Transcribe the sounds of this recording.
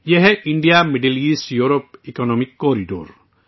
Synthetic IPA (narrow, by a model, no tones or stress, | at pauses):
jeɦɛʔiɳɖijamiɖelisjuɾɔpikɔnɔmikːɔɾiɖo̰ɾ